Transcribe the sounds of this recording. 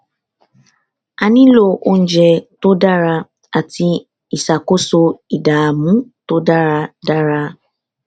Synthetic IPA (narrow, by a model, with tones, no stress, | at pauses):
a˨nĩ˦lo˨ʔo˦n̩˦d͡ʒɛ˨to˦da˦ɾa˧ | a˨ti˦ | i˨sa˨ko˦so˧i˨da˨mũ˦to˦da˦ɾa˧da˦ɾa˦